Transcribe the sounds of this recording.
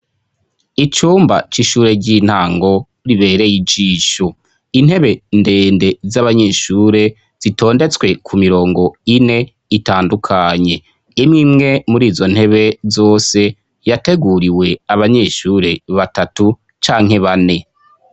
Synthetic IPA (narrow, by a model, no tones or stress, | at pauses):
it͡ʃuːmba̰t͡ʃiʃuːɾe̞ɟiːn̥haːŋɡo̞ | ɾiβe̞ːɾe̞jid͡ʒiːʃo | in̥he̞βe̞nde̞ːnde̞zaβaɲe̞ːʃuːɾe̞ | z̥itʰo̞ːnde̞t͡swe̞kʰumiɾo̞ːŋɡo̞ine̞ | itaːndukʰaɲe̞ | imŋimŋe̞muɾiːzo̞n̥he̞βe̞zo̞ːse̞ | jate̞ɡuɾiwe̞aβaɲe̞ːʃuːɾe̞βatatu | t͡ʃaːŋhe̞βane̞